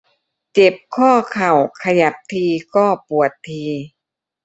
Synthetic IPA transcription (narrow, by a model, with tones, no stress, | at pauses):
t͡ɕe˨˩p̚kʰɔː˥˩kʰa˨˩wkʰa˧ja˨˩˦p̚t̪ʰiː˧kɔː˥˩pu˨˩ət̪ʰːiː˧